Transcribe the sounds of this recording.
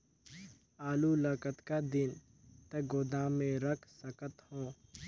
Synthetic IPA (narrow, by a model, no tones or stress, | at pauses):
aːluləkət̪kad̪ɪn | t̪ɐɡoːd̪amẽɾəkʰsəkət̪hõː